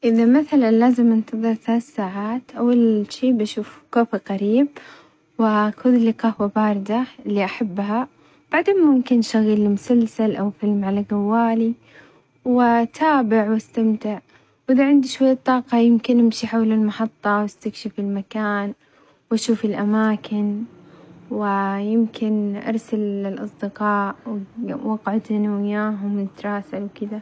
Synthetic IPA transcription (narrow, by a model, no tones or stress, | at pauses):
ʔɪðamaθalanlaːzɪmʔɪnt̪ɨðˤɨɾθalaːsaːʕaːt̪ʔawːalʃiːbaʃuːfkoːfɪqaɾiːb̚ | wɪkuːðɪlɪqɑhwabaːɾˤɪd̪aɪlːiʔaħabːɦa | b̥aʕd̪eːnmʊmkɪnʃaɣilːmʊsalsalʔawfɪlmʕalaɡawːaːli | wɪt̪ʰaːbɪʕwast̪amt̪ɪʕ | wʔɪd̪aʕɪnd̪iʃwajːat̪ˤːɑːqɑjɪmkɪnʔɪmʃiħawlɪlmɑħɑt̪ˤːɑwast̪akʃɪfɪlmakaːn | wʔaʃuːfɪlʔamaːkʰɪn | wɪjɪmkʰɪnʔɑ̰ɾˤsalɪlʔɑsˤd̪ɪqɑːʔwwɑɡʕʊd̪θanawɪjaːɦʊmnɪt̪ɾˤɑːsalwkɪd̪a